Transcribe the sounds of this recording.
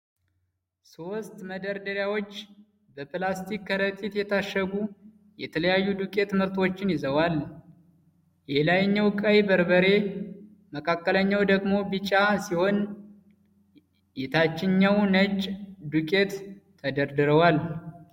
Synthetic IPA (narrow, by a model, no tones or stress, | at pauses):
so̞st̪məd̪əɾd̪əɾjawo̞t͡ʃː | bəplast̪ʰikːəɾət̪ʼit̪jɛt̪ʰaʃːəɡu | jɛt̪ʰələjajːud̪ukʼe̞t̪mɨɾt̪o̞t͡ʃːɪnjɪzəwal | jɛlajɲːawkʼəjbəɾbəɾe̞ | məkʰakːələɲːawd̪əɡmobɨt͡ʃʼasiho̞n | jɛt̪ʰat͡ʃːɪɲːawnət͡ʃʼd̪ukʼe̞t̪ʰː | əd̪əɾd̪ɨɾəwal